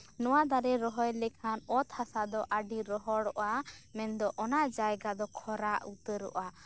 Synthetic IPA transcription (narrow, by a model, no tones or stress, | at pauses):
nɔwad̪aɾɛɾɔɦɔjlɛkʰanɔt̪hasad̪ɔʔaɖiɾɔɦɔɽɔʔamɛnd̪ɔʔɔnaʔd͡ʒajɡad̪ɔkʰɔɾaʔut̪əɾɔ̰ʔa